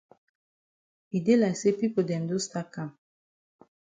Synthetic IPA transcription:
i˨d̪e˦la˨se˦pi˦po˨d̪ɛ̃˨nd̪u˦st̪a˦ka˨m

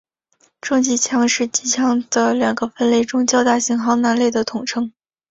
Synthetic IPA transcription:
ʈ͡ʂɤ˥˧ŋt͡ɕi˧˥t͡ɕʰjɑ˥ŋʂɻ̩˥˩t͡ɕi˧˥t͡ɕʰjɑ˧˥ŋd̪̥ə˨ljɑ˨˩ŋɡə˦fə˥nle˥˩ɪʈ͡ʂʊ˥ŋt͡ɕjɑ˥ʊt̪a˥˩ɕi˧˥ŋxɑ˧˥ʊna˧˥nle˥˩ɪd̪ə˩t̪ʰʊ˨˩ŋʈ͡ʂʰɤ˥ŋ

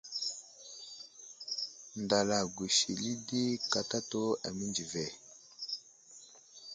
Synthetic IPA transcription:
nda˨la˨ɡwi˨ʃi˨li˦di˦ka˨ta˦to˦a˨mi˦nd͡ʒi˨vɛ˨

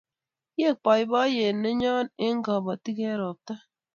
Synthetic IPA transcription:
je˦˨k͡pɔ˨i˦bɔ˦je˨nːe˦ɲɔ˦ne˦ŋ̩˦ɡɔ˨bɔ˨ti˦ke˦ɾɔ˨p̚ta˦

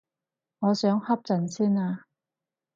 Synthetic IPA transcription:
ŋɔː˨˧sœː˨˥ŋhɐ˥p̚t͡sɐ˨˩nsiː˥naː˧

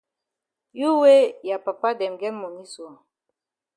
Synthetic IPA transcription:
ju˦we˦ja˨pa˨pa˦dɛ˨mɡɛ˦mmo˨mi˦su˨a˨

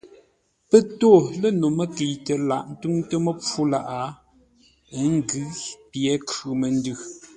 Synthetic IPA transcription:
pə˦to˦˨lə˦no˨mə˦˨ki˨tə˨la˨ʔn̩˦tʉ˦ŋtə˦mə˦p͡fu˦la˦ʔa˨˦˨ | ŋ˦ɡɯ˦pjɛ˨˦kʉ˨mə˨n̩˦dʉ˦

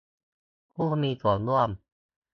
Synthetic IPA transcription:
pʰuː˥˩pʰmiː˧t̪ʰu˨˩ə˦nlu˥˩əm

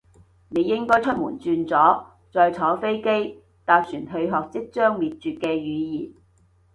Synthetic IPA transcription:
ne˨˧jɪ˥ŋkɔː˥jt͡ʃʰɵ˥t̚mṵː˨˩nt͡syː˧nt͡sɔː˨˥ | t͡sɔː˨jt͡sʰɔː˨˥fe˥jke˥j | t̪aː˧p̚syː˨˩nɦɵ˧ɥɦɔː˨k̚t͡sɪ˥k̚t͡ʃœː˥ŋmiː˨t̚t͡ʃyː˨t̚kɛː˧jyː˨˧jḭː˨˩n

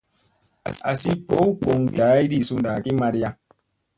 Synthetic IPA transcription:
a̰˨si˦po˦wk͡po˨ŋ˨ɡi˨a˨˦i˦di˦su˦nda˨ki˦ma˧ɾi˦ja˦

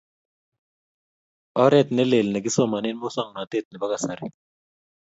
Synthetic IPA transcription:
ɔ˦ɾɛ˦t̪nɛ˦le˨lnɛ˨ɡɪ˦sɔ˦ma˨ni˦n˦mo˦sɔ˦˨ŋna˨t̪e˦˨t̪̚nɛ˨ba˦ka˨sa˨ɾi˦

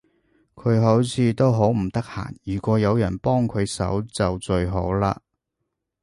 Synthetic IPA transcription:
kʰɵ˨˧ɥɦo˨˥wt͡sʰiː˨˧t̪o˥wɦo˨˥wm̩˨˩t̪ɐ˥k̚ha̰ː˨˩njyː˨˩kʷɔː˨˧jɐ˨˧wjɐ˨˩npɔː˥ŋkʰɵ˨˧ɥsɐ̰˨˥wt͡sɐ˨wt͡ʃɵ˧ɥɦo̰˨˥wla̰ː˧˥

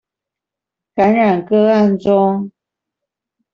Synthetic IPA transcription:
ka˨˦nɻa˨˩nkɤ˦a˥˧nt͡sʊ˦ŋ

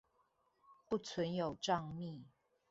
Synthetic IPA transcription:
pu˥˨t͡sʰwə˧˦njo˨˩ʊʈ͡ʂɑ˥˧ŋmi˥˨

